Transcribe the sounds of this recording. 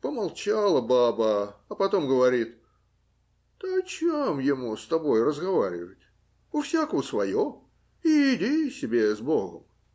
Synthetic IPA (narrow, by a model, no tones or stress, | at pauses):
pəmalˠt͡ɕalˠəbabəɐpɐt̪o̞mɡəvɐɾʲit̪ | əɐt͡ɕemjɪmust̪ɐbo̞jrəzɡɐvaɾʲɪ̰vətʲ | ʊfsʲakəvəsvɐjo | iːdʲisʲɪbʲe̞zbo̞ɡə̰m